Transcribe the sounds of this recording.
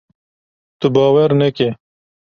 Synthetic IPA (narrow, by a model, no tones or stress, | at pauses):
t̪ubɑːwɐɾneke